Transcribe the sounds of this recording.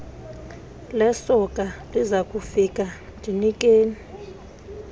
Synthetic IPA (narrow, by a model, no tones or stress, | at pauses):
lɛsɔkʼalizakʼufik̬ʼa | ndʱinikʼeːni